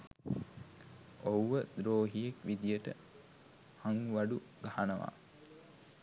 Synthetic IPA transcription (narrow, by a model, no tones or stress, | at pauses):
ouʋəd̪ɾoːɦijekʋid̪ijəʈə | haŋʋaɖuɡahanəʋa̰ː